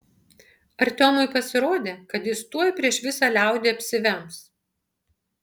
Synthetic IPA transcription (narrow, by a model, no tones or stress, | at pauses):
ɐɾʲt̪ʲoːmʊɪpɐsʲɪɾoːd̪ʲeːkɐt̪jɪst̪uɔjpʲɾʲiɛʃʋʲɪsɑːlʲæˑʊd̪ʲeːɐpʲsʲɪʋʲɛms